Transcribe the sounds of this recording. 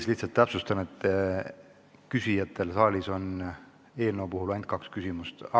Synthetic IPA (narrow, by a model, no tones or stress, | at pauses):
sliht̪sɑlt̪ːæpsust̪ɑnet̪ˑː | kysʲijɑt̪ʰːˑe̞lsɑːlʲiso̞n | e̞ːlnowpuhulɑjnd̪̥̚kɑkskysimust̪